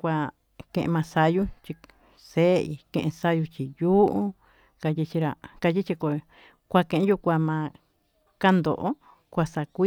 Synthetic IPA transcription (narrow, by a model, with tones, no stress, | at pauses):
kʷa˧ | kẽ˧ʔḛ̃˧mã˧sa˧ju˦t͡ʃi˧ | se˦ḭ˧kẽ˧ʔẽ˧sa˦ju˧t͡ʃi˧ju˦ʔu˦ | ka˧ji˧t͡ʃi˧ɾa˧˨ka˧ji˦t͡ʃi˧ko˧ | kʷa˧kẽ˧ʔẽ˦ju˧kʷa˧mã˧ | ka˦nd̪o̰˨ʔo˦ | kʷa˧sa˧kʷi˦